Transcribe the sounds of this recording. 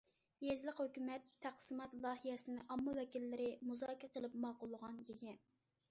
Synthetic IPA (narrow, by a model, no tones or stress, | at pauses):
jezlˠɪqhøkʲymɛt̪ʰːæqsɨmɑt̪lˠɑːɦijɛsɪnɪʔɑmːɑwɛkʲilːɪɾɪmuzɑːkʲɑqəlˠɨpmɑːqʊlˠːəʁɑnd̪eɡʲɛn